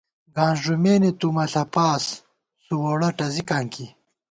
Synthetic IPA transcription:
ɡãːnʐumeːnet̪umɐɬɐpaːs | suwoɽɐʈɐzikaːŋki

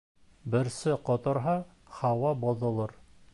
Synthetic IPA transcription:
bɘ̆ɾsɘqŏt̪ɤ̆ɾɦɑ | hɑwɑbŏðŏlˠɤɾ

